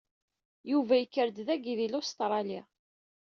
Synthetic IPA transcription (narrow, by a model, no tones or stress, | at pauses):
juvæjəkːəɾd̪ðæɡiðilost̪ɾˤɑli